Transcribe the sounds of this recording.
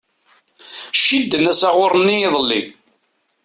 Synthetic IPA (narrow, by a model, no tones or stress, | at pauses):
ʃild̪ənæsaʁʊɾˤənːiːðˤəlːḭ